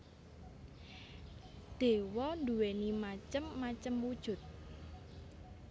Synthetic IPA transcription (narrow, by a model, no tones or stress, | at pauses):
d̪̥e̤wɔnd̪uwenimat͡ʃəmːat͡ʃəmwud̥ʒ̥ʊ̤t̪̚